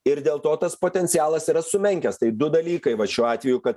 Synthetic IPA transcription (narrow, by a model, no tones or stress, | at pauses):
ɪɾd̪ʲeːlˠt̪oːt̪ɐspoːt̪ʲɛnʲt̪sʲɪjɑːlˠɐsiːɾɐsʊmʲɛŋʲkʲɛst̪ɐɪd̪ʊd̪ɐlʲiːkɐɪʋɐʃʲuːɑːt̪ʲʋʲɛjukɐt̪